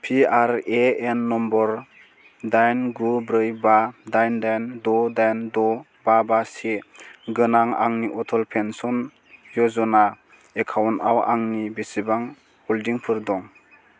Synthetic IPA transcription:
pʰiaɾeenːɔmbɔɾ | dajnɡubɾɯjbadajndajndɔdajndɔ | b̥abaseɡɯnaŋa̰ŋniʔɔtʰɔlpʰensɔn | jɔzɔna | ekʰawntawaŋnibisibaŋ | hɔldiŋpʰɯɾdɔŋ

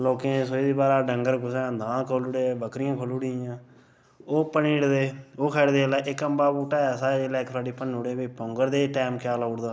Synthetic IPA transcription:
loːkẽːsoiːd̪iːbaːɾaːɖəŋɡəɾɡʊsãd̪ãːkʰoːlʊɽeːbəkɾɪjãːkʰoːluɽijãː | oːpəniːɽd̪eːoːkʰɛːɽd̪eːlaːʔɪkːəmbaːbuːʈaːaːsaːd͡ʒeːlɛːksaːɖiːpənuːɽeːbiːpɔ̃ːŋɡəɾd̪eːʈaːmkjaːlaʊɽd̪aː

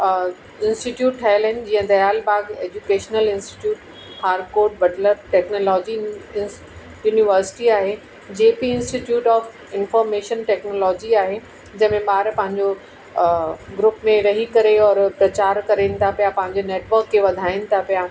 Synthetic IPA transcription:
ɪ̃nsʈiʈjuːʈʈʰaːɪlɐɪnd͡ʑiɦə̃d̪ɐjaːlbaːɡeːd͡ʑukeːʃnəlɪ̃nsʈi̥ʈjuːʈ | haːɾkoːɾʈ̚bɐʈləɾʈɛːknolɔːd͡ʑi | juːniʋəɾsɪ̥ʈiaːɦe | d͡ʑeːpiɪ̃nsʈiʈjuːʈɔːf | ɪnfɔːɾmeːʃənʈɛːknoːlɔːd͡ʑiaːɦe | d͡ʑɐ̃ɦmẽɓaːɾpɐ̃ɦɪ̃ɲd͡ʑo | ɡɾʊpmẽɾɐɦikɐɾeɔːɾpɾɐt͡ɕaːɾkɐɾenɪ̆t̪ʰapijapɐ̃ɦɪ̃ɲd͡ʑoneːʈʋəɾkːeʋɐd̪ʱaːɪnɪ̆t̪ʰapijaː

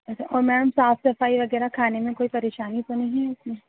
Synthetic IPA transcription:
ɐt͡ʃʰaʔɔːɾmɛːɽəmsaːfsɐfaːiʋɐɡɛːɾakʰaːnemẽkoːipɐɾeːʃaːnit̪onɐɦĩɦɛʊsmẽ

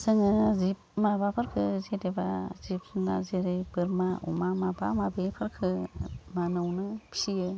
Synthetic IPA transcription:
sɯŋɯzip̚mabapʰaɾkʰɯzedeba̰zip̚na̰zeɾɯbɯɾmaṵmamaba̰mabepʰɯɾkʰɯmanɯwnɯpʰsijɯ

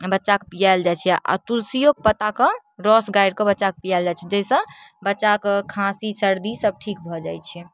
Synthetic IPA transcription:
bətːʃakpijajld͡ʒajt͡ʃʰɛʔa̰t̪ulsijok̚pət̪akɔ | ɾɔsɡajɽkɔbətːʃak̚pijald͡ʒajt͡ʃʰɛd͡ʒesə̃bətːʃakkʰãsisəɾd̪isəb̚ʈʰikbʱɔd͡ʒajt͡ʃʰɛ

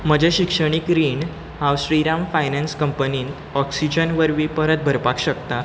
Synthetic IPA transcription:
m̤əd͡ʑʱeɕikʂəɽ̃ikɾiːɳ | ɦãwsɾiɾamfajnɛnskəmpəniːn | ɔksid͡ʑənʋəɾʋiːpəɾət̪̚bʱəɾpakɕəkt̪a

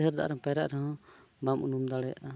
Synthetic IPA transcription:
ɦəɾd̪a̰ʔɾɔ̃pɛɾaʔɾɛɦɔ̃ | bamʔunumd̪aɽɛja̰ʔa

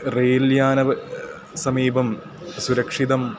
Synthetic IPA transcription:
reːljaːnɐʋ | sɐmiːbɐm | suɾɐkʂiðɐm

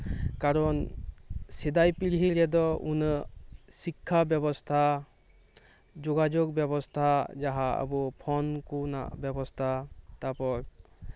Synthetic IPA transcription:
kaɾɔn | sid̪ajpilɦiɾɛd̪ɔṵn | sikʰːabjɔbɔst̪ʰa | d͡ʒɔɡad͡ʒɔɡ̚bjɔbɔst̪ʰad͡ʒaɦaə̰bɔpʰɔnkuna̰bjɔbɔst̪ʰat̪apɔɾ

